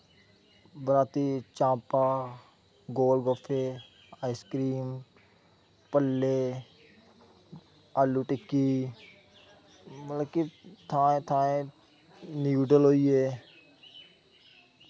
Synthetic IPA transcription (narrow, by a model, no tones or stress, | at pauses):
bəɾaːt̪it͡ʃãːpaː | ɡoːlɡɔfʰe | aːiskɾiːm | pəlːe | aːluʈɪkːi | mələkit̪ʰãːẽt̪ʰaːẽ | nuːɖəlɦoːieː